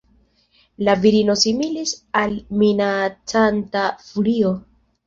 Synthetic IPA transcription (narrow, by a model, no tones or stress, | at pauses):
laviɾino̞similisalminat͡santafulio̞